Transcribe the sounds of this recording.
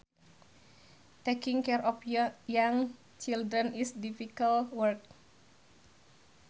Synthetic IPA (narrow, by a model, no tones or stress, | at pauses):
t̪ekiŋkɛɾʔɔpjjaŋ | t͡ʃildɾənisdifikalwərk̚